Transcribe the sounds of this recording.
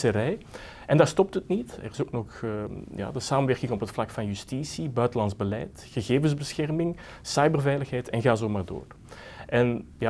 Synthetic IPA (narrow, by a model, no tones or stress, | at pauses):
səɾɛj | ɛndaːɹstɔp̚tətnitɛ̰rɪzoːknɔxja̰ːdəsaːmənʋɛrkɪŋɔpɦətflɑkfɑnjystisibœɥtəlɑnzbəlɛ̰jt | ɣəɣeːvənzbəsxɛrmɪŋ | sɑjbərvɛjləxɦɛjtʰɛnɣaːzoːmaːrdo̰ːr | ʔɛnja